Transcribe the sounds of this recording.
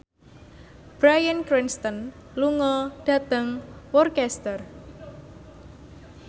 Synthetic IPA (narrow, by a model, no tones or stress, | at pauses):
b̥ɾajənkɾinst̪ən | luŋɔɖ̥a̤t̪əŋwɔrkɛst̪ər